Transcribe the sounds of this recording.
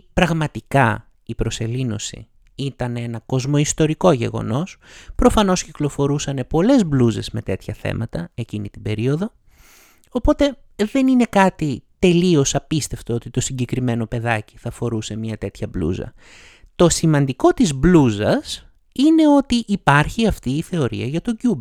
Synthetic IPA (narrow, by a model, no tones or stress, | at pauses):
pɾɐɣmɐt̪ikɐ | ipɾo̞se̞lino̞̰sḭ | it̪ɐnenɐko̞zmo̞ist̪o̞ɾiko̞ʝe̞̰ɣo̞̰no̞spɾo̞fɐno̞sciklo̞fo̞ɾusɐne̞po̞le̞zbluze̞̰zme̞t̪e̞t̪çɐθḛmɐt̪ɐe̞cinit̪ibe̞ɾio̞ðo̞ | opo̞t̪e̞ | ðe̞nine̞kɐt̪it̪e̞lio̞sɐpist̪e̞ft̪eo̞t̪it̪o̞siɲɟe̞kɾime̞no̞pe̞ðɐci̥θɐfo̞ɾuse̞mɲɐt̪e̞t̪çɐblṵzɐ̰ | t̪o̞simɐnd̪iko̞t̪izbluzɐs | ine̞o̞t̪iʔːpɐɾçiɐft̪iːθe̞o̞ɾḭɐʝɐt̪o̞ɟub